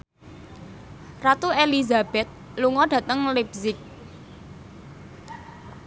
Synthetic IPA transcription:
rat̪uelizab̥ɛt̪̚ | luŋɔɖ̥ä̤t̪əŋlibzɪk̚

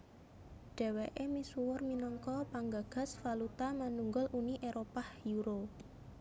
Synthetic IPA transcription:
ɖ̥ɛ̤weʔemisuwʊrminɔŋkɔpaŋɡa̤ɡ̥a̤sfalut̪amanuŋɡɔlʔuniʔeɾʔopahjuɾo

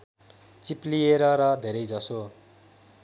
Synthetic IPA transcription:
t͡siplieɾʌɾʌd̪ʱeɾʌjd͡zʌso

